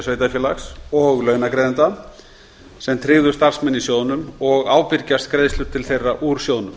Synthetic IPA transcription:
sveːjt̪afjɛːla̰ksɔɣlœːɥnakɾɛːðɪnt̪a | sɛmt̪ʰɾɪːðʏɾ̥st̪ar̥smɛnːisjoːwnʏmɔɣaːwpɪɾcast̪kɾeːðst̪ʏɾ̥t̪ʰɪlθejrːaʔuɾ̥sjoːwnʏm

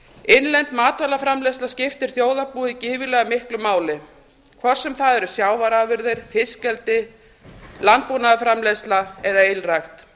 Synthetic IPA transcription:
enlɛnt̪maːt̪valafɾamlɛslascɪft̪ɪɾ̥θjoːwðapuːicɪːvɪlɛːɣamɪhklʏmaːwlɪ | kʰvɔɾ̥sɛmθaðɛɾʏsjaːwvaɾavɪɾðɪɾ̥fɪscɛlt̪ɪ | lant̪̚punaðafɾamlɛslaɛðaejlrajxt̪

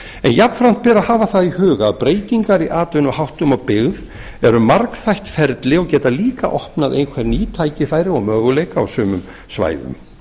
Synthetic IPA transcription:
ɛ̰njapn̥fɾam̥t̪̚pɛːɾahaːvaθaðihʏːɣaːðpɾeːjt̪iŋkaɾiʔaːt̪vʏnɔhawht̪ʏmawpɪɣð | ɛɾʏmːaɾkθajht̪fɛɾt̪lɪɔɣcɛːt̪aliːka̰ʔɔhpnaðʔḛjnkʰvɛɾniːt̪ʰaːjcɪfaːjɾɪɔ̰ɣmœːɣʏlejkaa̰wsʏːmʏm | sva̰ːjðʏ̰m

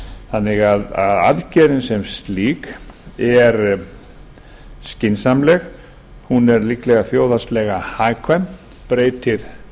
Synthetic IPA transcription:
θanːɪɣaðaða̰ðcɛːɾɪnsɛmst̪liːkɛɾ | scɪnsamlɛɣ | hunɛɾliklɛɣaθjoːwðast̪lɛɣahaːjkʰvɛm | pɾeːjt̪ɪɾ̥

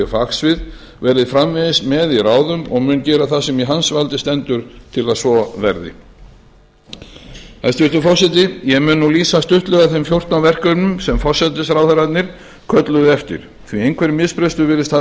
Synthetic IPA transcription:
ɛfaksvɪð | vɛɾðɪðfɾamvɪðɪsmɛðiraːwðʏmɔɣmʏncɛːɾaθasɛmiɦansvalt̪ɪst̪ɛnt̪ʏɾ̥t̪ʰɪlaðsvɔvɛɾðɪ̰ | ɛst̪ʏt̪ʏfɔsɛt̪̬ɪjɛmʏːnːuliːsast̪ʏht̪lœɣaθejmfjowr̥t̪navɛr̥kœnʏmsɛmfɔ̥sɛt̪ɪsɾaːwθaɾat̪nɪɾ̥ | kʰœt̪lʏðʏɛft̪ɪ̰ɾ̥ | θviejŋkʰvɛɾɪmɪðspɾɛst̪ʏvɪːɾɪst̪ha

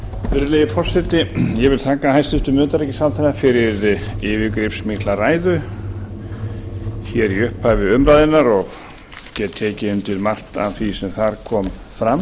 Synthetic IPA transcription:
vɪɾlɛjðɪfɔr̥sɛt̪ɪjɛvɪlt̪ʰaːkahajst̪ɪht̪ʏmœːt̪aɾɛcɪsalθɛɾafɪɾɪɾɪvɪkɾɪpsmɪht̪laraːjðʏ | çɛɾiʏhpavɪʏmɾaðɪnːaɾɔɣ | cɛːt̪t̪ʰːeːcɪʏnt̪ʰɪlmar̥t̪a̰vθisɛmθaɾkʰɔːm | fɾam

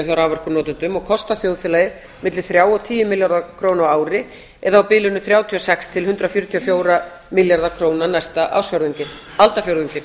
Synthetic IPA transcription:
θjawɾaːwvœr̥kʏnɔːt̪ɪnt̪ʏmɔɣkʰɔst̪aθjowðθfɪlajɪð | mɪt̪lɪ̥θɾjaːwɔt̪ʰiːjʏmɪljaɾðakʰɾoːwnaaːwɾɪ | ɛðaːawpɪːlʏnʏθɾjaːwt̪ʰiɔsɛkst̪ʰɪlɦʏnt̪ɾafjʏɾʏt̪ʰiɔfjoːwɾa | mɪljaɾðakʰɾoːwnanajst̪aʔa̰wsfjaɾðiɲcɪ | alt̪afjowɾðiɲcɪ

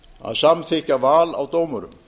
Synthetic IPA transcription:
a̰ðsamθɪhcavaːla̰wt̪oːwmʏɾʏ̰m

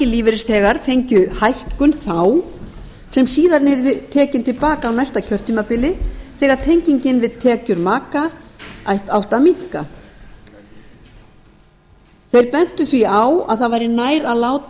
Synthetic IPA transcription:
ɪliːvɪɾɪsθɛːɣaɾ̥fejɲcʏhajhkʏnθaw | sɛmsiːðaɾnɛɾðɪt̪ʰɛːcɪnt̪ʰɪlpaːkaːwnajst̪acʰœr̥t̪ʰiːmapɪlɪθɛːɣaɾ̥t̪ʰejɲciɲcɪnvɪðt̪ʰɛːcʏɾmaːkaajht̪awht̪amiŋ̥ka | θejɾpɛn̥t̪ʏθviawa̰ðθaðvajɾɪnaːjɾaðlaːwt̪

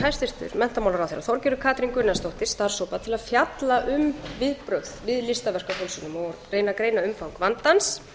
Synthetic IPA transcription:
hajst̪ɪr̥t̪ʏ̰ɾmɛn̥t̪amawlaɾawθeːɾa̰θɔɾcɪɾʏkʰaːt̪ɾiŋkʏɾnɛst̪owht̪ɪ̥st̪aɾ̥sowpaðt̪ʰɪlaðfjat̪laʔʏmvɪðpɾœxðvɪðlɪst̪avɛr̥kaɦœlsʏnʏmɔɾreːjnakɾeːjnaʏmfawŋkvant̪ans

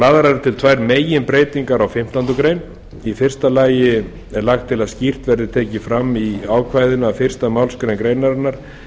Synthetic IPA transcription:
laːðɾaɾɪt̪ʰɪlt̪ʰvajɾmeːjɪnpɾeːjt̪iŋkaɾawfɪm̥t̪ant̪ʏkɾeːjn | ifɪr̥st̪alaːjɪ | ɛɾlaxt̪ʰːɪlaðscir̥t̪vɛɾðɪt̪ʰɛːcɪfɾamːiaːwkʰvajðɪnaːfɪr̥st̪amawlskɾejnkɾeːjnaɾanaɾ̥

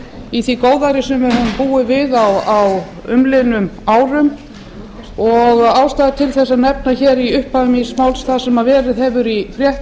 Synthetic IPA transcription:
iθikoːwðaɾɪsɛmɛɾhʏnpuːɪvɪðawaw | ʏmlɪnʏmaːwɾʏm | ɔɣaːwst̪aːðɪt̪ʰɪlθɛsːanɛp̚naçɛɾiʏhpaʏmismawlsθasɛmavɛːɾɪðɦɛvʏɾifɾjɛht̪

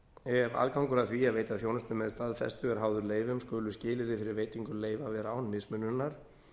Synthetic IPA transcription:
ɛva̰lkawŋkʏɾaðθviaðveːjt̪aðθjownast̪nʏmɛðst̪aðfɛ̰st̪ʏɛɾ̥ɦaːwðʏɾleːjvʏmskʏːlʏscɪːlɪɾɪfɪɾɪɾveːjt̪iŋkʏleːjvavɛːɾawnmɪsmʏnːʏnːaɾ̥

